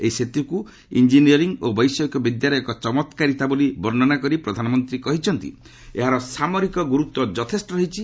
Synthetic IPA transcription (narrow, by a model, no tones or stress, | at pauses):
eiset̪uku | ḭnd͡ʒiniɔɾiŋobɔjsɔkjɔbid̪jaɾɔjɔkɔt͡ʃɔmɔt̪kaɾit̪abolibɔɾnɔnakɔɾipɾɔd̪ʱanɔmɔnt̪ɾikɔɦit͡ʃʰɔnt̪ḭ | eɦaɾɔsamɔɾikɔɡuɾut̪wɔd͡ʒɔt̪ʰesʈɔɾɔɦit͡ʃʰi